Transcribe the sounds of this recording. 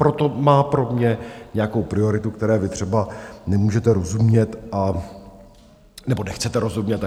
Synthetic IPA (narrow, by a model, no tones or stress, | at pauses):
pɾo̞t̪o̞maːpɾo̞mɲɛɲɛjako̞wpɾɪo̞ɾɪt̪ukt̪ɛɾɛːjɛvɪt̪r̥ɛbanɛmuːʒɛt̪ɛɾo̞zumɲɛt̪ʔa | nɛbo̞nɛxt͡sɛt̪ɛɾo̞zumɲɛt̪